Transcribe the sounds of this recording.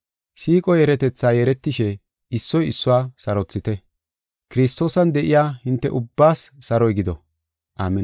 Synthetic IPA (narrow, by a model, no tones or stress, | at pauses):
siːkʼɔjɛɾɛt̪ɛt͡sːaːjɛɾɛt̪ːɪʃɛ | ɪsːɔjɪsːʊwaːsɐɾɔt͡sːɪt̪ɛ | kɪɾɪst̪ːo̞ːsɐnd̪ɛʔɪjaːhɪnt̪ːɛ̰ʔʊbːaːsːɐɾɔjɡɪd̪ɔ̰ | ʔaːmːɛ